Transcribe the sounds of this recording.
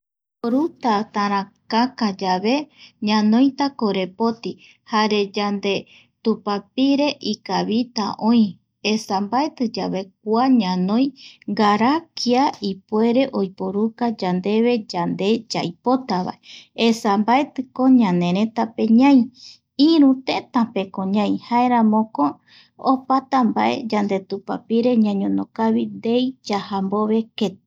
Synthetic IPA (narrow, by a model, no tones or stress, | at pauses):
poɾut̪at̪aɾãkakad͡ʒaβe̞ɲãnõj̃t̪akoɾe̞po̞t̪i | haɾe̞d͡ʒand̪e̞ | t̪upapiɾe̞ʔikaβit̪a̰ʔõĩ | esambaet̪ɨd͡ʒaβe̞k̚ʷaɲãnõ̞j̃ɡaɾakʰiaipoe̞ɾe̞ʔo̞jpoɾukad͡ʒand̪e̞βe̞d͡ʒand̪e̞d͡ʒa̰jpo̞t̪aβa̰eesambaet̪ɨko̞ɲãnẽ̞ɾẽ̞t̪ape̞ɲãj̃ | iɾũt̪ẽ̞t̪ãpe̞kõɲãĩhaeɾãmõkoː | pat̪ambaʔe̞̰d͡ʒand̪e̞t̪upa̰piɾe̞ɲãɲõnõkaβind̪ejd͡ʒahamboβe̞ke̞t̪